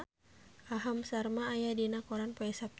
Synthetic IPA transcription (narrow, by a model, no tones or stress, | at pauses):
aɦamsarmaːjadinakɔɾanpɔɛsap̚